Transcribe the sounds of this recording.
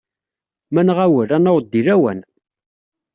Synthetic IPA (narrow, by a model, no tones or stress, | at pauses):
mænʁawəɾænəwd̪ːiɾæwæ̰n